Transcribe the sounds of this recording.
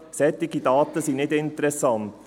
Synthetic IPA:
sɛt̪ːɪɡidɑːt̪əsinɪdɪnt̪əɾɛsɑnt̪

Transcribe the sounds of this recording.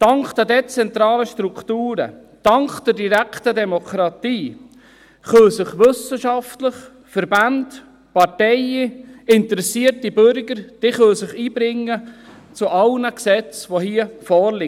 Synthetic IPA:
tɑŋkd̥̪ɛdɛt͡sɛnt̪ɾɑːləʃtɾuktuːɾə̰ | d̥ɑŋkd̥əɾdiɾæktədɛmokʰɾɑt̪iː | χœsəχʋɵsəʃɑftləχ | fəɾband | pɑɾtɛjəɪnt̪əɾɛsiətibøɾɡəɾd̥iχœlsɪχiːbɾɪŋːə | t͡suʔɑlnəksɛt͡sʋohiəfɔːɾlɪ

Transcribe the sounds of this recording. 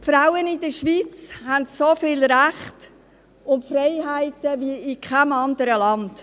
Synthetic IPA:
fɾaʊənɪd̥əʃʋiːt͡shæntsofɪːlɾæχt | ʊntfrɛɪɦæɪtəviɪkʰχæmɑnd̪əɾəlɑnd̥

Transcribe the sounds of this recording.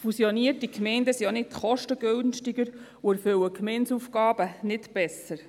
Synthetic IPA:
fusiɔniətikmɛɪndəsionɪtχɔʃtəɡ̥ølnʃtiɡəɾ | uæɾføwəkmɛɪnsufɡɑːb̥ənɪtb̥ɛsəɾ

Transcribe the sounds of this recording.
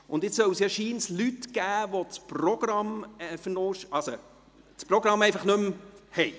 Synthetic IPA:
ʊndɪt͡ssœwsjɑʃiːnslytɡ̥æːʋot͡sprɔɡ̥ɾɑmɛfənoːʃɑso | t͡sprɔɡɾɑmɛɪfɑχnɵmhɛj

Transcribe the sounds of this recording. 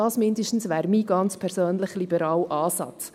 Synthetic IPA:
ɑːsmɪndəʃtn̩sʋæːɾmiːɡɑnt͡spʰɛɾsøːnləχlibəɾɑːlʔɑːsɑ̰t͡s

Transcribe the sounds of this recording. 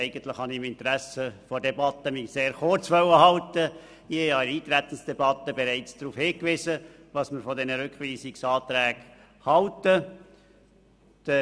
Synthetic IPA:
æɪɡ̥ənt̪lɪχhɑnɪmɪnt̪əɾæsəfɔdɛbɑt̪əmiseːɾχʊrt͡sʋœwəhɑlt̪ə | iɑɾiːt̪ɾɛt̪ən̩sd̥ɛbɑt̪ːəbɛɾæɪt͡sd̥ɾuːfhɪːkʋɪsəʋɑsmɪɾfɔdɛnəɾʏkχʋiːsɪksɑːt̪ɾæːɡ̥ | hɑltə | d̥ə

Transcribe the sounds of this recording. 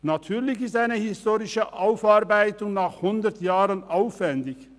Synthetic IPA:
nat̪ʰyːʁlɪçɪstaɪnəhɪstoːʁɪʃəʔaʊfaʁbaɪtʊŋnaːχhʊnd̪ətjaːʁənʔaʊfvɛndɪç

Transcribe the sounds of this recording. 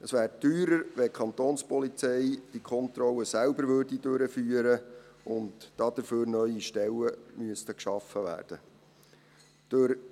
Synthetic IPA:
əsʋæːɾtyːɾəɾʋɛkʰχɑnt̪oːnspɔlit͡sɛɪd̥ikʰɔnt̪ɾɔlːəsælbəɾʋørdidøɾəfyːəɾəʊndd̥ɑd̥əɾføːɾnœʏiʃtɛlːəmyəstəkʃɑfəʋæ̰ːrd̥ə | d̥øɾ

